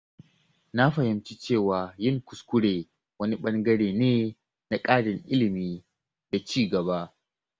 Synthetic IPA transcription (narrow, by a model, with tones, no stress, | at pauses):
na˦ɸɐ˨hɪ˨mt͡ʃi˦t͡ʃeː˦˨waː˨jɪ˦˨ŋkʷʊ˨skʷʊ˦ɽeː˨ | wɐ˦ni˦ɓɐ˦ŋɡɐ˦ɽeː˨neː˦ | na˨kʼaː˦ɽɪ˨ŋʔɪ˦lɪ˨miː˦ | da˨t͡ʃiː˦˨ɡɐ˨ba˦ʔ